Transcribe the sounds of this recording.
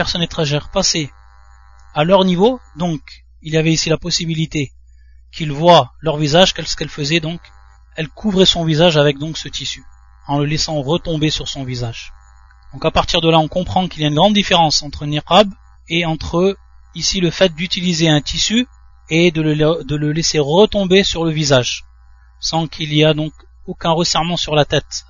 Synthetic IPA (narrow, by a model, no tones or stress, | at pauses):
pɛʁsɔnet̪χaʒɛʁpase | alœʁnivod̪ɔ̃k | iljavɛisilapɔsibilit̪e | kʰilvwalœʁvizaʒkɛlsə̥kɛlfəzɛd̪ɔ̃k | ɛlkʰuvʁɛsɔ̃vizaʒavɛk̚d̪ɔ̃ksət̪isy | ɑ̃ləlɛsɑ̃ʁət̪ɔ̃besyʁsɔ̃vizaʒ | d̪̥ɔ̃kapaʁt̪iʁd̪əlaɔ̃kɔ̃pχɑ̃kiliaynɡʁɑ̃d̪ːifeʁɑ̃sɑ̃t̪χəniqab | eɑ̃t̪χə | isiləfɛt̪̚d̪yt̪ilizeɛ̃t̪ʰisy | ed̪ələd̪ələlɛseʁət̪ɔ̃besyʁləvizaʒ | sɑ̃kʰiliad̪ɔ̃k | okɛ̃ʁəsɛʁmɑ̃syʁlat̪ɛt̪